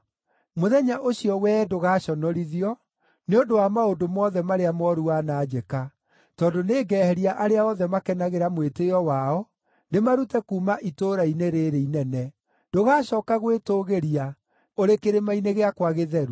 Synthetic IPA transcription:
moðɛɲaʔoɕiɔwɛdoɣaːɕɔnɔɾiðiɔ | neondowamaodomɔːðɛmaɾeamɔɾuanaːd͡ʑɛka | tɔdoneːɡɛːhɛɾiaʔaɾeaɔðɛmakɛnaɣeɾamweteɔwaɔ | nemaɾutɛkuːmaʔitoɾaineɾeɾeinɛnɛ | d̥oɣaːɕɔːkaɣwetoɣeɾia | oɾekeɾemaineɣeakwaɣeðɛɾu

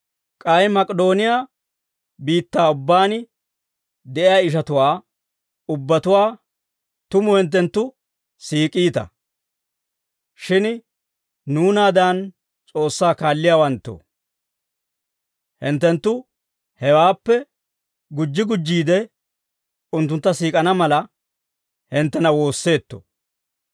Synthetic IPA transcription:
kʼɐjmɐkʼɛd̪o̞ːnɪjaː | biːt̪ːaːʊbːaːn | d̪ɛʔɪjaːɪʃ̬ɐt̪ʊwaː | ʊbːɐt̪ʊwaː | t̪ʊmʊhɛnt̪̬ːɛnt̪ːʊ | siːkʼiːt̪ɐ̰ | ʃɪn | nuːnaːd̪an | t͡sʼo̞ːsːaːkaːlːɪjaːwɐnt̪ːo̰ | hɪnt̪ːɛnt̪ːʊ | hɛwaːpːɛ | ɡʊd͡ʒːɪɡʊd͡ʒːiːd̪ɛ | ʊnt̪ːʊnt̪ːɐsiːkʼɐnɐmɐlɐ | hɪnt̪ːɛnɐwo̞ːsːe̞ːt̪ːo̰

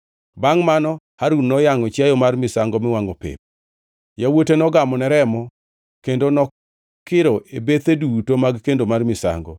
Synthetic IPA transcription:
baŋmanɔ | haɾunnɔjaŋɔt͡ʃjajɔmarmɪsaŋɡɔmɪwaŋɔpɪ̰p̚ | jawotenɔɡamɔnɛɾɛmɔ | kendonɔ | kɪɾɔʔebet̪edutomaɡkendomarmɪsa̰ŋɡɔ̰

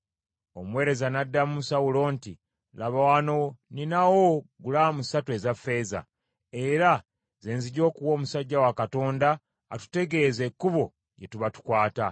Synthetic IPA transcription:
o̞mwe̞ːɾe̞zanadːamusawulo̞ːnti | laβawanoninawoɡulamusatwe̞zafːe̞ːza̰ | e̞ɾa | ze̞ːnziɟo̞ːkuwo̞ːmusaɟːawakato̞ːndaː | tu̥te̞ɡe̞ze̞kːuβo̞ | jetuβatu̥kwaːta

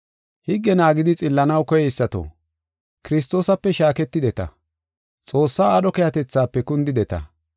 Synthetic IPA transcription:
hɪɡːɛnaːɡɪd̪ɪt͡sʼɪlːɐnɐwkɔjɛɪsːɐt̪o̰ː | kɪɾɪst̪o̞ːsɐpːɛʃaːkɛt̪ːɪd̪ɛt̪ɐ̰ | t͡sʼo̞ːsːaːɗɔkɛjɐt̪ɛt͡sːaːpːɛkʊnd̪ɪd̪ɛt̪ɐ̰

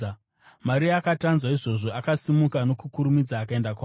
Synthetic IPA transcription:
maɾiakatanzwaiʐo̞ʐo̞ʔakasimukano̞kukuɾumid͡zaːkae̞ndakwaː

